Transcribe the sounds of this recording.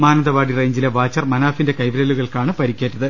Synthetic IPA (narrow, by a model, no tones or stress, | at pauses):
maːnɐnd̪ɐʋaːɽireːɲd͡ʑileʋaːt͡ɕːɐrmɐnaːfinde̞kɐjʋɾɐluɣɐɭkaːɳɨpɐɾikʲːeːtːɐðɨ